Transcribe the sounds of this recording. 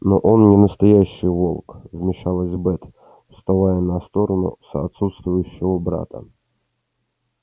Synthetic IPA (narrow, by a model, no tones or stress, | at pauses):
noʔonnʲɪnəst̪ɐjæɕːɪjvolˠkvmʲɪʂalˠəzʲbɛt̪ | fst̪avajənɐst̪o̞ɾənʊ̰səɐt̪sut̪st̪vʊjʉɕːɪvəbɾa̰t̪ə̰